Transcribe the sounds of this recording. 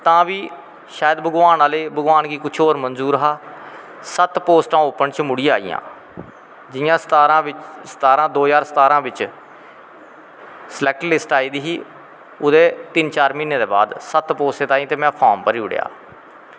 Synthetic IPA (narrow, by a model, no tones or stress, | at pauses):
t̪ãːʋiː | ʃaːjəd̪bəɡʋaːnaːleːbəɡʋaːnɡiːkʊt͡ʃʰoːɾmənzuːɾɦaː | sət̪poːsʈãːoːpənt͡ʃmʊɽija̰ːḭjã̰ː | d͡ʒɪjãːst̪aːɾãːɪsə̥t̪aːɾãːd̪oːd͡ʒaːɾsə̥t̪aːɾãːbɪt͡ʃ | slɛːk̚ʈlɪsʈaːiːd̪iːɦiː | ʊd̪eːt̪ɪnt͡ʃaːɾmiːnːeːd̪eːba̰ːd̪sət̪poːsʈeːt̪aːĩːt̪eːmɛ̃ːpʰaːmpəɾiːʊɽ̰ja̰ː